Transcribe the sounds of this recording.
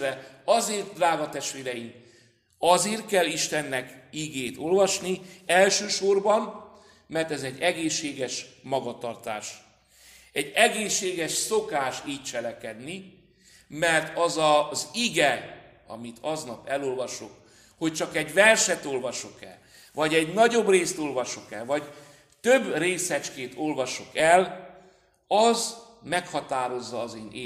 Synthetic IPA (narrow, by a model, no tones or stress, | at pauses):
ɾɛɒzeːrt̪̚d̪raːɡɒt̪ɛʃt̪ʋeːɾɛjim | ɒzeːrt̪̚kɛlːiʃt̪ɛnːɛkiɡeːt̪o̞lvɒʃniɛlʃøːʃo̞rbɒm | mɛrt̪ɛzɛɟːɛɡeːʃːeːɡɛʃmɒɡɒt̪ɒrt̪a̰ːʃ | ɛɟːɛɡeːʃːeːɡɛʃsokaːʃiːc̚t͡ʃɛlɛkɛd̪ni | mɛrt̪ɒzɒziɡɛ | ɒ̰mit̪ʰɒznɒpɛlolvɒʃok | ho̞c̚t͡ʃɒkɛɟvɛlʃɛt̪o̞lvɒʃokɛ̰l | vɒɟɛɟnɒɟobreːst̪o̞lvɒʃokɛlvɒɟ | t̪ø̞breːsɛt͡ʃkeːnt̪o̞lvɒʃokɛl | ɒz | mɛkhɒt̪aːɾo̞zːɒːzeːne